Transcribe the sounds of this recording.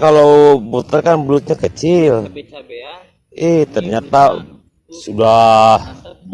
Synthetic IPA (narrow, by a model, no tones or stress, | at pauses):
kalobut̪əkanblut̪̚ɲakət͡ʃɪl | iht̪ərɲat̪a | sudah